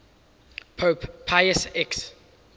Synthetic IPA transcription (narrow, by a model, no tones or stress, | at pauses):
pʰoppʰːajəsɛks